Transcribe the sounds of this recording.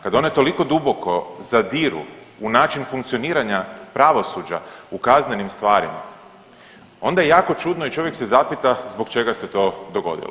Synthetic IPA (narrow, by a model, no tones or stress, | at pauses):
kad̪aonojt̪o̞liko̞d̪ubo̞ko̞zad̪iːɾṵ | unaːt͡ʃinfuŋkt̪sioniːɾaɲapɾaʋo̞suːd͡ʒa̰ukaznenimst̪ʋaːɾima̰ | o̞nd̪ajejaːko̞t͡ʃud̪noit͡ʃo̞ʋjekse̞zapit̪azbo̞kt͡ʃe̞ɡase̞t̪o̞ːd̪oɡo̞̰d̪ḭlˠo